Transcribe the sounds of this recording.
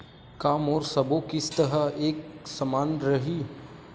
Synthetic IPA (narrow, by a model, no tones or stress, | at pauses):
kaːmɔːɾsɐbokɪst̪ɐɦəɦeːk̚sɐmaːnɾɐɦi